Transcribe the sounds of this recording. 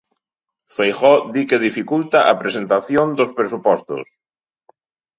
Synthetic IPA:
fejxɔðikeð̞ifikult̪aʔapɾesent̪aθjond̪ospɾesupɔst̪ʊ̰s

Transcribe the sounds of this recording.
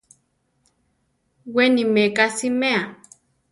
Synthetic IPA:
wenimekasimea

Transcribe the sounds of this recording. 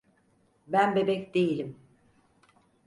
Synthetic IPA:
bænbe̞bɛcd̪ejilʲim

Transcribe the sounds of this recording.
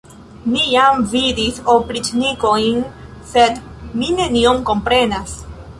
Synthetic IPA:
nijamvidiso̞pɾit͡ʃniko̞jn | se̞dmine̞niomko̞mpɾe̞nas

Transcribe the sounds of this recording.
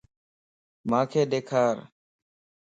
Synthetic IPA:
mãːkʰeːɗ̪eːkʰaːɾ

